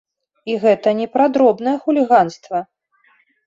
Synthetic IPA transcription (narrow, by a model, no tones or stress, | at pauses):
iɣɛt̪ɐnʲɛpɾad̪ɾɔbnɐjɛxulʲiɣanst̪vɐ